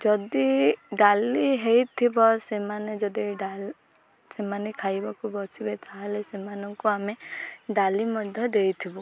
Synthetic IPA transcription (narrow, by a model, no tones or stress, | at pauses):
d͡ʒɔd̪iɖaliɦejt̪ʰibɔsemaned͡ʒɔd̪iɖal | semanekʰajbakubɔt͡ʃibet̪ʰaɦelesemanɔŋkuameɖalimɔd̪ʱjɔd̪ejt̪ʰibɔ